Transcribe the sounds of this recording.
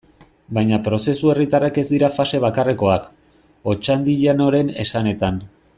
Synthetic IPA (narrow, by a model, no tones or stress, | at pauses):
bajɲapɾo̞se̞sue̞rit̪arake̞zd̪iɾafase̞β̞akareko̞ak | o̞t͡ʃand̪iʎano̞ɾe̞ne̞sane̞t̪an